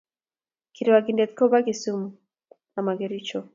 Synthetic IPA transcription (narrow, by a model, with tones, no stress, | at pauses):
ki˨ɾi˨wa˨ɡi˨ndɛ˨t̪̚kɔ˦ba˦ɡi˨su˦m | a˨ma˨ɡɛ˨ɾi˦t͡ʃɔ˦